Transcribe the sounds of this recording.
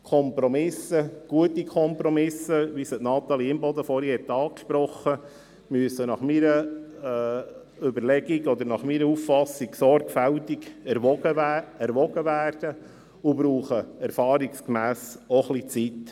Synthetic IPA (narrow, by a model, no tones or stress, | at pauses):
kʰɔmpɾɔmɪsəɡ̥uətikʰɔmpɾɔmɪsəʋisətnɑt̪ɑliɪmbɔd̪əfɔɾihɛt̪ːɑːkʃpɾɔχːə | myəsənɑχmiɾə | ʏbəɾlɛɡiɡɔd̪əɾnɑχmiɾəuffɑsːiksɔɾɡ̥fæltiɡəæɾʋɔɡ̥əʋæːrd̥ə | ʊbɾuːχəæɾfɑːɾikskmæːsɔχlit͡sit